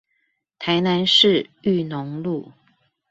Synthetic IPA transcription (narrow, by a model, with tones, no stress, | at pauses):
t̪ʰa˧˥ɪna˧˦nʂɻ̩˥˧y˥˩nʊ˧˦ŋlu˥˩